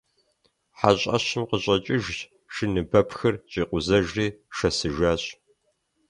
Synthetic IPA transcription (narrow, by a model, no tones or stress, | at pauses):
ħaɕʼɐ̰ɕɪmqəɕʼɐt͡ʃʼɪʒ | ʃɨnɨbɐpʰxɨrɕʼiːqʷʊzɐʒriːʃɐsɨʒaːɕʼ